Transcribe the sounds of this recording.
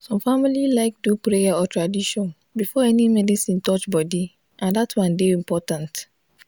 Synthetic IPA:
sɔ̃mfamililaɪk̚dupɾejaɔtʰɹadiʃɔ̃n | bifɔɛnimɛdisĩntɔt͡ʃbɔdi | ʔãndatwãndeĩmpɔtãnt

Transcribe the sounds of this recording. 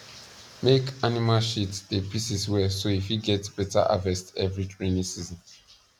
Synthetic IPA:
mekanimalʃitdepisiswɛsoifiɡɛtb̥ɛta̰ʔa̰vɛstɛvɹitʰɹẽnĩsizɔ̃n

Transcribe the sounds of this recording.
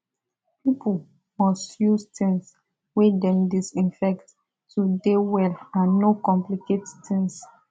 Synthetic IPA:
pʰipʰəl | mɔstjustĩŋs | wedɛ̃mdisĩnfɛktː | udewɛlãnnːokɔ̃mplikettʰĩŋs

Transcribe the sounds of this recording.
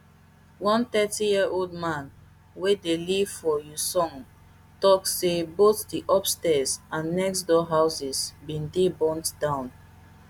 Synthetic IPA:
wɔ̃nθɛtijiəʔoldmãn | wedeliv̥fɔjusɔ̃ŋ | tɔksːeboθdiʔɔpstɛzãnːɛks̬dɔɦaʊsizbĩndebɔ̃ntd̥ãʊ̃n

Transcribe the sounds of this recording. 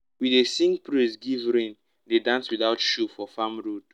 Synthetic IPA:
wiðesĩŋpɾisɡivɾĩn | dedãnswiðaʊtʃufɔfamɹod̥

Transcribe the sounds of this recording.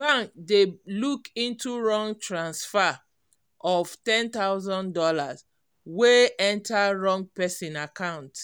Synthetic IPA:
ãŋk̚delukĩntuɹɔ̃ŋɡtɹãnsfa | ʔɔv̥tɛ̃nt̪aʊzɔ̃ndɔlaz | weɛ̃ntaɹɔ̃ŋɡ̚pɛsĩnakãʊ̃nt

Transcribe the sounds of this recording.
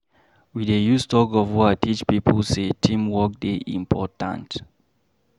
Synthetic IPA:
widejustɔɡɔvhuaɪtʰit͡ʃpipʰlsetʰĩmwɔk̚deʔḭ̃mpʰɔtã̰nt

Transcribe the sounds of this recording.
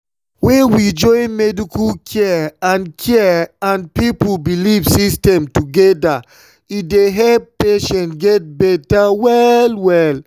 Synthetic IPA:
wɛ̃nwid͡ʒɔ̃ɪnmɛdikulkʰɛãnkʰɛãnpipubilivsistɛ̃mtuɡɛda | ideɦɛlp̚peʃɛ̃ntɡɛt̚bɛtawɛlwɛl

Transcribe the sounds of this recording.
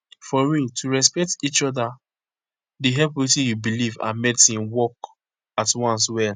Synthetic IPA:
fɔjĩtʰuɹɛspɛk̚tit͡ʃɔda | diɦɛlpwitĩjubilivã̰nmɛtĩmwɔk | atwɔ̃ns̬wɛl

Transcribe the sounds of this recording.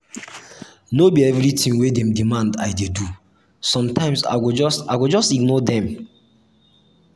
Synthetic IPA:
nobiɛvɹitʰĩŋwedɛ̃mdimãnda̰ɪdedu | sɔ̃mtʰãɪ̃msa̰ɪwid͡ʒɔsaɪwid͡ʒɔstiɡnɔdɛ̃m

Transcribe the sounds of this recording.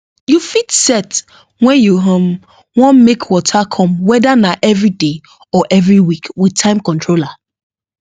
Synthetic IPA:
jufitsɛt | wɛ̃njuɦɔ̃m | wɔ̃nmekʰwɔtʰakʰɔ̃mwɛdanaʔɛvɹide | ɔʔɛvɹiwikwidtʰãɪ̃mkɔ̃ntʰɹola

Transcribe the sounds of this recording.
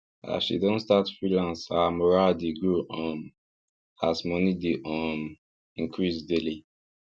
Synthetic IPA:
a̰ʃḭdɔ̃nstatfɹilãnsamɔɹadeɡoʔɔ̃m | asmɔnideʔɔ̃m | ĩŋkɹisdeli

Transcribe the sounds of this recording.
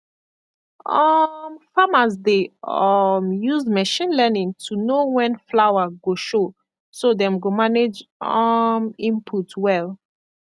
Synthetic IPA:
ɔmfamasdeɔmjuzmɛʃĩnlɛnĩŋtʰunowɛ̃nflawaɡoʃo | sodɛ̃mɡomaned͡ʒɔmĩmpʰutʰwɛl

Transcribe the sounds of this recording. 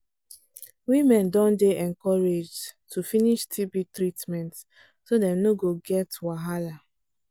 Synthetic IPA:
wimɛ̃ndɔ̃ndeɛ̃nkɔɹed͡ʒtʰufiniʃtʰibitɹitmɛ̃nt | sodɛ̃mnoɡoɡɛtwaɦala

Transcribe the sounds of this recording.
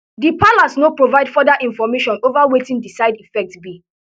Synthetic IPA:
dipalasnopɹovaɪdfɔdaʔĩnfɔmeʃɔ̃novawetĩndisaɪdifɛk̚tbi

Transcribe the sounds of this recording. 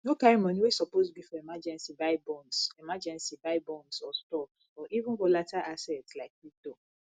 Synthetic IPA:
nokaɹimɔ̃niwesɔposbifɔemad͡ʒɛ̃nsibaɪbɔ̃nsemad͡ʒɛ̃nsibaɪbɔ̃nsɔstɔ | ɔʔivũnɡɔlatʰaʔasɛtslaɪk̚wik̚do

